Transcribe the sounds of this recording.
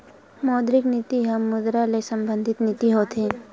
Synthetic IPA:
mɔːd̪ɾɪknɪt̪iɦɐmːʊd̪ɾalesə̃mbə̃nd̪ʱɪt̪nɪt̪iɦoːt̪ʰɦẽ

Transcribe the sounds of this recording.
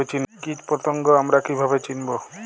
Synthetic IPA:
et͡ɕinkit͡ʃpɾot̪oŋɡoamɾakibʱabet͡ɕinbo

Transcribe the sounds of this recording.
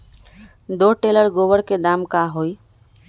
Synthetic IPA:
d̪oʈeləɾɡoːʋəɽked̪aːmkaɦoːi

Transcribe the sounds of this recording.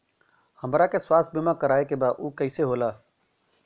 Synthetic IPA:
həmɾaːkeːswaːst̪̚bɪmãːkəɾaːekeːbaːʔuːkəiːseːɦoːlaː

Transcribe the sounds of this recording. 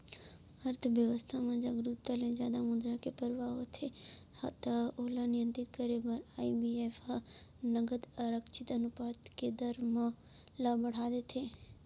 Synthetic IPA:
əɾt̪ʰʋjəʋəst̪ʰamãd͡ʒaɡɾut̪ːalẽd͡ʒjaːd̪amʊd̪ɾakepəɾʋaɦot̪ʰehɐ̰t̪aoːlanɪjə̃nt̪ɾɪt̪̚kəɾebɐɾaːibiefa | nəɡəd̪ɐɾəkt͡ʃʰɪt̪ɐnʊpaːt̪ked̪əɾmə̃ | labɐɽ̤aːd̪et̪ʰeː

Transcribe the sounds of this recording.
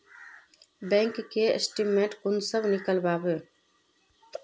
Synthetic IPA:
bɛ̃ːŋkːeḛsʈimẽːɳʈkʊnsəbnɪkəlbaːbeː

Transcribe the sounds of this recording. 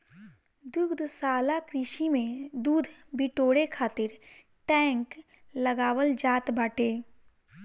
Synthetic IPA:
d̪ʊɡd̪ʱsaːlakɾɪʃimẽd̪uːd̪ʱbɪʈoːɽekʰaːt̪ɪɾ | ʈɛ̃ːŋk | ləɡaːwəld͡ʒaːt̪baːʈeː

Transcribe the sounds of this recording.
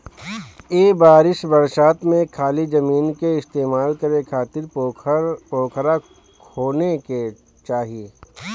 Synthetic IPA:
eːbaːɾɪʃbɐɾʃaːt̪mẽkʰaːlid͡ʒɐmiːnkeɪst̪eːmaːlkɐɾekʰaːt̪ɪɾ | poːkʰɾa | kʰoːneke | t͡ʃaːɦijeː

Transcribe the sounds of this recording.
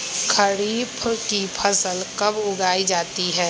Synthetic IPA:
kʰəɾiːpʰkipʰɐsəlkɐbʊɡaːid͡ʒaːt̪iɦɛː

